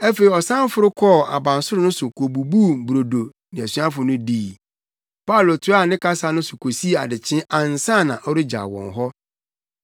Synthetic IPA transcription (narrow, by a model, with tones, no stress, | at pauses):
æ˦fe˨ɾi˨ɔ˨sã˦m˦fʊ˨ɾʊ˦kʰɔ˦˨a̰˨bã˨n˨sʊ˦ɾʊ˦nʊ̃˦sʊ˨kʰo˨bu˨bu˦m˨bɾo˨do˨ | nɪ̃˨æ˨sɥã˦fʊ˨nʊ̃˦diː˦˨ | pa˦u˨lo˨tʰʊ˦a˦˨nɪ̃˦ka˦sa˦nʊ̃˦sʊ˨kʰo˨si˦˨a̰˨dɪ˨t͡ɕʰɪ̃˦ʔã˨n̩˨sã˦˨nã̰˨ʔɔ˦ɾɪ˦d͡ʑa̰˨wɔ̰̃˨n˨ɦɔ˦